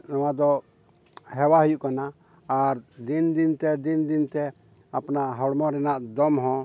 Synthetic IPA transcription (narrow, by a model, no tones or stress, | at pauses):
nɔwad̪ɔ | hɛwaɦəjuʔkanaː | ɾd̪ind̪int̪ɛd̪ind̪int̪ɛ | apnaʔɦɔɽmɔ̃ɾɛnaʔd̪ɔmɦɔ̃